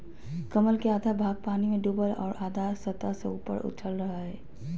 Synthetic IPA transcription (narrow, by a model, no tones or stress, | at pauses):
kəməlkeaːd̪ʱabʱaːɡ̚paːnimẽɖuːbəlɔ̰ːɾʔaːd̪ʱaːɾsət̪asḛṵːpə̰ɾʔʊ̰t̪t͡ʃʰəlɾɐɦaɦɛː